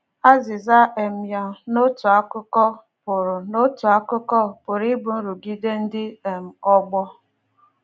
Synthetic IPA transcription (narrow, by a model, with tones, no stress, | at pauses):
a˦zɪ˨za˦ʔe˨m̩˨ja˨no˦tʊ˨a˦kʊ˦kɔ˦ | pʊ˨ɾʊ˨no˦tʊ˨a˦kʊ˦kɔ˦pʊ˨ɾi˦bʊ˨n̩˦ɾu˨ɡi˦de˦n̩˦dɪ˦e˨m̩˨ɔ˦ɡ͡bɔ˦